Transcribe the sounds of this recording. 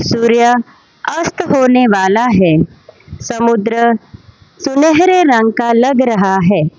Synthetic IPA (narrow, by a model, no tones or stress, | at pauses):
suːɾja | ɐst̪ɦoːneʋaːlaɦɛː | sɐmʊd̪ɾə | sʊneɦɾeɾɐ̃ŋɡkalɐɡɾɐɦaɦɛː